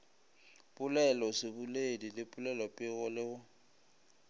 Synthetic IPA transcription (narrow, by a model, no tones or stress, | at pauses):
pʼʊlɛlɔsɪbʊledilɪpʼʊlɛlɔpʼɪɣʊlɪɣʊ